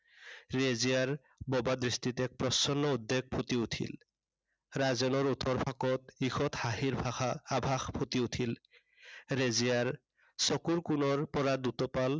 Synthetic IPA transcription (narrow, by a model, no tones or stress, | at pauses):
ɹezijaɹ | bɔbadɹistit̪ɛk̚pɹɔsɔnːɔud̪ːeɡ̚pʰot̪iutʰḭl | ɾazɔnɔɹut̪ɔɹpʰakɔt̪ixɔt̪haɦiɹbʱaxaːbʱaxpʰot̪iutʰil | ɾezijaɹ | sɔkuɹkunɔɹpɔɹad̪ut̪ɔpal